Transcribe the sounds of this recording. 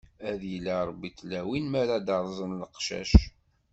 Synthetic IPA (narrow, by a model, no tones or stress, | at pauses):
æðjəlːaɾˤbːit̪læwinmæɾad̪ɑɾˤzˤənləqʃæ̰ʃ